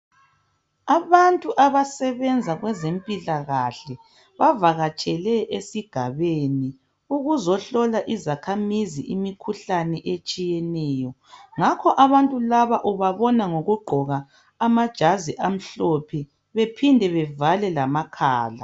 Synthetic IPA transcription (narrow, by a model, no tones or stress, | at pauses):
aβantʼuʔaβasɛβɛnd͡zʱaɣwɛzempʼilaɣaɬɛ | βavaɣat͡ʃʼɛlɛʔesiɡ̥ʱaβeni | uɣuzɔɬɔlaʔizakʰamiziʔimikʰuɬanɛʔet͡ʃʼijɛnɛːjɔ | ŋakʰɔʔaβantʼulaβaʔuβaβɔnaŋoɣuɡ͡ǃʱɔɣaː | mad̥ʒ̥ʱaziʔam̩ɬɔpʰɛ | βepʰindʱɛβɛvalɛlamakʰaːla̰